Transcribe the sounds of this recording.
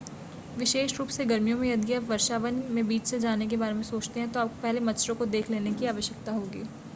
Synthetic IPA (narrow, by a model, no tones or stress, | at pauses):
ʋɪʃeːʃɾuːpseɡɐɾmijõmẽjɐd̪ɡəʋɐɾʃaːʋənmẽbiːt͡ʃsed͡ʒaːnek̬ebaːɾemẽsoːt͡ʃt̪eɦɛ̃t̪oaːp̚kopɛɦlemɐtːt͡ʃɾõkod̪eːkʰleːnekiaːʋəʃjək̚t̪aɦoːɡiː